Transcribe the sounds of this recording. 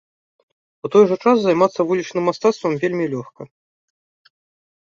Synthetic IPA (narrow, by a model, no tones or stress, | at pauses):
ut̪ɔjʐɐt͡ʂaszajmat̪sːɐvulʲit͡ʂnɨmːast̪at̪st̪vɐmvʲelʲmʲilʲɔxkɐ